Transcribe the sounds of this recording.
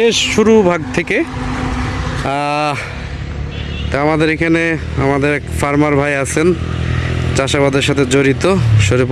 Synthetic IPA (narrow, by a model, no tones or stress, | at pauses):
eʃʃuɾubʱaɡ̚t̪ʰeke | t̪amad̪eɾekʰane | amad̪eɾɛkfaɾmaɾbʱajat͡ɕʰen | t͡ɕaʃabad̪eɾʃat̪ʰed͡ʑoɾit̪oʃoɾip